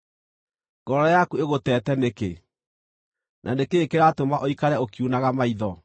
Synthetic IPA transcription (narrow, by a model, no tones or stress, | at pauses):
ŋɡ̥ɔɾɔjakueɣotɛːtɛneke | nʔa̰nekeːkeɾaːtomaʔoikaɾɛokiunaɣamaiðɔ